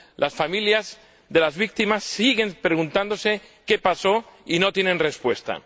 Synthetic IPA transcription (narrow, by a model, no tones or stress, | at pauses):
lʔasfamiljaz | ðe̞lazβik̚t̪imasːiɣe̞npɾeɣ̞unt̪and̪o̞seke̞paso̞ino̞t̪jenẽ̞nre̞spwe̞st̪a̰